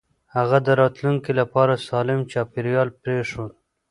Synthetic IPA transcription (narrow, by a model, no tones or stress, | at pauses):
haɣad̪əɾɑt̪luŋkilapɑɾasɑlɪmt͡ʃɑpeɾjɑlpɾeʂun